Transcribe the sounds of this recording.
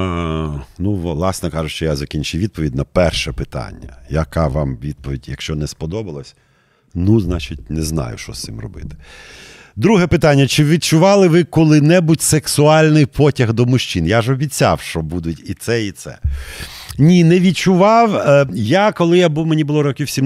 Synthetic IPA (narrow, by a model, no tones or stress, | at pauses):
nuʋlˠɑsnɔkɑʒʊʃt͡ʃɔjazɐkʲinʲt͡ʃɪwʋʲid̪̚pɔʋʲidʲnɐpɛrʃɛpɪt̪ɑ̰nʲːɐ̰jɐkaʋɑmʋʲid̪̚pɔʋʲidʲjɐkʃt͡ʃɔnɛspɔd̪ɔbɐlˠɐsʲ | nuznɑt͡ʃɪtʲnɛznɑ̰jʊ̰ʃt͡ʃɔ̰sɪ̰mrɔ̰bɪ̰t̪ɪ̥ | d̪ɾuɦɛpɪt̪anʲːɐt͡ʃɪʋʲid̪̚t͡ʃʊʋɑlˠɪʋɪkɔlˠɪnɛbutʲseksʊɑlʲnɪjpʰɔtʲɐɣd̪ɔmʊʃt͡ʃinjaʒɔbʲit͡sʲːa̰wʃt͡ʃɔbud̪ʊtʲit̪sɛit̪sɛ̰ | nʲinɛʋʲid̪̚t͡ʃʊʋɑwjakɔlˠɪjabuwmenʲibʊlˠɔɾɔkʲiwsʲim